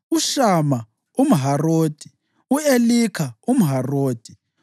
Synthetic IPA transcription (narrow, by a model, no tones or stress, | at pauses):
uʃama | um̩ɦaroːd̥ʱi | uelikʰaum̩ɦaroːd̥ʱi